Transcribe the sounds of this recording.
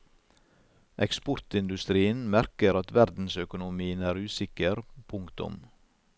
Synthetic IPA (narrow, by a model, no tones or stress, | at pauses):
ʔɛkspɔɾt̪ɪnd̪ʉst̪ɾiːənmæɾkəɾɑt̪ʋæɾd̪n̩sœkʊnʊmiːənæːɾʉːsɪkəɾpʰʊŋkt̪ʊ̰m